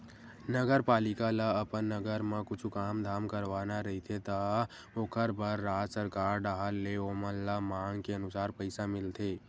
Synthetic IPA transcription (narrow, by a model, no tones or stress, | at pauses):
nəɡəɾpaːlɪkalaəpənːəɡəɾmãkʊt͡ʃʰukaːmd̪ʱaːmkəɾʋaːnaɾɐɦit̪ʰet̪a | okʰəɾbaɾːaːsəɾkaːɾɖaɦəɾːeoːmənlamaːŋkeənʊsaːɾpəɪsamɪlt̪ʰeː